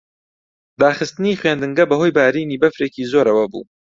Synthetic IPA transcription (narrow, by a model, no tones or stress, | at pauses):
d̪aːχɨst̪ɨniχɥeːnd̪ɨŋɡɐbɐɦojbaːɾiniːbɐfɾeːkiːzoɾɐwɐbṵː